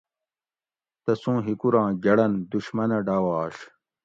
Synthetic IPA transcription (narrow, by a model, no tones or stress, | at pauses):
t̪ɐsũːɦikuɾãːɡɐɽɐnd̪uɕmɐnɐɖaːwaːɕ